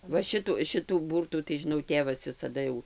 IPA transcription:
ˈʋɐ ˈʃʲɪtʊ ˈʃʲɪtuː ˈbuːrtuː tɐɪ ʒʲɪˈnɐʊ ˈtʲeːʋɐs ʋʲɪsɐˈdɐ jɛʊ

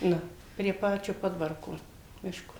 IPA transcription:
ˈnʊ pʲrʲiɛ ˈpɑːt͡ʃʲʊ ˈpoːdʋɐrkoː ˈmʲɪʃkoː

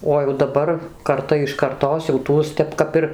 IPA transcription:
oː jɛʊ dɐˈbɐr kɐrˈtɐ ɪʃ kɐrˈtoːs jɛʊ ˈtuɔs ˈtʲɛp ˈkɐp ɪr

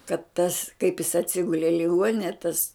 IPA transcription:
kɐt tɐs kɐɪp jɪs ɐtʲˈsʲɪɡʊlʲɛ ɪ lʲɪˈɡuɔnʲɪnʲɛ tɐs

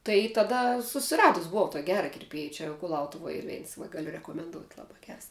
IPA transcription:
tɐɪ tɐˈdɐ sʊsʲɪˈrɑːdʊs bʊˈʋɐʊ toːkʲ ˈɡʲæːrɐ kʲɪrʲˈpʲiɛj ˈt͡ʃʲɛ kʊˈlˠɐʊtʊʋoːj ˈiːr ˈʋʲɛɪns ʋɐ ˈɡɑːlʲʊ rʲɛkoːmʲɛnˈdoːʊtʲ ˈlˠɑːbɐ ˈɡʲɛrs

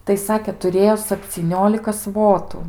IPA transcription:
tɐɪ ˈsɑːkʲeː tʊˈrʲeːjoː sɐpʲt͡sʲiːˈnʲoːlʲɪkɐ ˈsʋoːtʊ

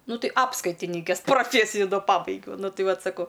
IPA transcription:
ˈnʊ ˈtɐɪ ˈɑːpskɐɪtʲɪnʲɪkʲeːs proːˈfʲeːsʲɪjʊ dɐ ˈpɑːbɐɪɡʲɛʊ nʊ ˈtɨ ˈʋɐt ˈsɑːkoː

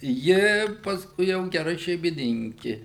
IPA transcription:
ˈjɪ pɐsˈkʊɪ jɛʊ ɡʲɛˈrɐ ʃʲɛɪmʲɪˈnʲɪŋʲkʲɪ

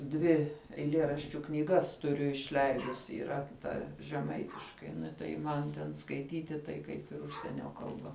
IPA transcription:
ˈdʲʋʲɪ ɛɪˈlʲeːrɐʃʲt͡ʃʲʊ knʲiːˈɡɐs tʊˈrʲʊ ɪʃʲˈlʲɛɪdʊsʲɪ iːˈrɐ ˈtɐ ʒʲɛˈmɐɪtʲɪʃkɐɪ tɐɪ ˈmɐn tʲɛn skɐɪˈtʲiːtʲɪ tɐɪ ˈkɐɪp ɪr ˈʊʃʲsʲiɛnʲoː kɐlˠˈbɐ

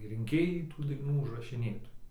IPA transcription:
rʲɪŋʲˈkʲeːjɛɪ tuː dɐɪˈnuː ʊʒrɐʃʲɪˈnʲeːtoːjɛɪ

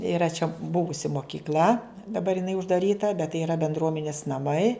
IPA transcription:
ɪˈrɐ t͡ʃʲɛ ˈbʊʋʊsʲɪ moːkʲɪkˈlʲɐ dɐˈbɐr jɪˈnɐɪ ʊʒdɐˈrʲiːtɐ bʲɛt tɐɪ iːˈrɐ bʲɛndˈruɔmʲɛnʲɪs nɐˈmɐɪ

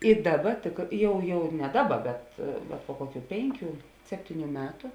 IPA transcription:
ɪ ˈdɑːˌbɐ tʲɪk ˈjɛʊ jɛʊ nʲɛ ˈdɑːˌbɐ bʲɛt bʲɛt poː ˈkoːˌkʲuː ˈpʲeːŋʲˌkʲuː ˈsʲæːpʲtʲɪˌnʲuː ˈmʲæːtʊ

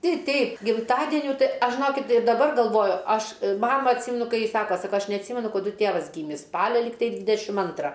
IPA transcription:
ˈtʲɛɪ ˈtʲɛɪp ɡʲɪmˈtɑːdʲɛnʲuː ˈtɐɪ ˈɐʃ ʒʲɪˈnoːkʲɪt ɪr dɐˈbɐr ɡɐlˠˈʋoːjʊ ˈɐʃ ˈmɑːmɐ ɐtʲˈsʲiːmʲɛnʊ ˈkɐɪ ˈjɪ ˈsɑːkoː sɐˈkoː ˈɐʃ nʲɛɐtʲˈsʲiːmʲɛnʊ kɐˈdʊ ˈtʲeːʋɐs ˈɡʲiːmʲɪs ˈspɑːlʲɛ ˈlʲɪktɐɪ ˈdʲʋʲɪdʲɛʃʲɪm ˈɐntrɐ

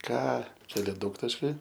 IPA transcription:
ˈkɑː ˈt͡ʃʲɛ ɐˈlʲɛ ˈdɐʊktɐʃʲkʲɛɪ

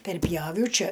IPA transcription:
pʲɛrʲˈpʲjæːʋʲɛʊ ˈt͡ʃʲɪ

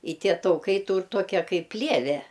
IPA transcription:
ɪ ˈtʲiɛ tɐʊˈkɐɪ ˈtuːr ˈtoːkʲɛ ˈkɐɪp ˈpʲlʲiɛʋʲɛ

